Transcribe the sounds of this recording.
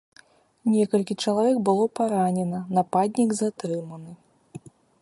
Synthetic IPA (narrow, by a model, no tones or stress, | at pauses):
nʲɛkɐlʲkʲit͡ʂɐlˠavʲɛkbɨlˠɔpaɾanʲɛnɐnapad̪ʲnʲiɡzat̪ɾɨmɐnɨ